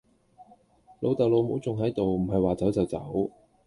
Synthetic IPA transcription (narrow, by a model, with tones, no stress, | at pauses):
lo˨˧wt̪ɐ˨wlo˨˧wmo˨˥wt͡sʊ˨ŋɦɐ˨˥jt̪o˨wm̩˨˩ɦɐ˨jwaː˨t͡sɐ˨˥wt͡sɐ˨wt͡sɐ̰˨˥w